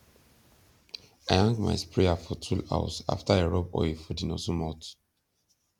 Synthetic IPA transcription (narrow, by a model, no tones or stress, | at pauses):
aɪãŋɡma̰jspɹeafɔtʰula̰w̰sa̰ftaeɹɔbɔ̰ifɔdinɔsumɔt